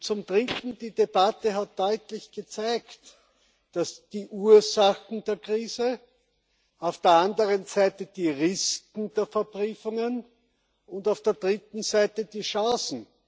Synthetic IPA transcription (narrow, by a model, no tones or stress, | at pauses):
t͡sʊmdʁɪtn̩diːdeb̥atəɦat̚d̥ɔʏtlɪçɡ̥ət͡sæɪktː | asd̥iːʔuːɐzaxn̩d̥eːɐkʁ̥iːzə | aʊfd̥eːɐandəʁənzæɪtəd̥iːʁɪskn̩d̥eːɐfɛɐpʁyːfʊŋən | ʊntaʊfd̥eːɐdʁɪtn̩zæɪtədiːʃɑ̃ːsn̩